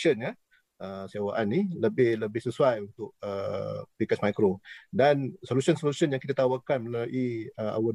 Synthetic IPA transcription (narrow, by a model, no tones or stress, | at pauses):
ənɲə | əsiawaʔanːiləbɪhləbɪhsəsuajunt̪ʊk̚əpikasmajkɾodansolusiənsolusiənjaŋkit̪at̪awakanməlaʔiəa̰wə